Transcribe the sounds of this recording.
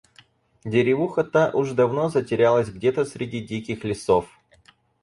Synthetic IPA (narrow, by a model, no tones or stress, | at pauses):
dʲɪɾʲɪvuxət̪aʔʊʐd̪ɐvno̞zətʲɪɾʲalˠəsʲɡdʲet̪əsʲɾʲɪdʲidʲikʲɪxlʲɪsof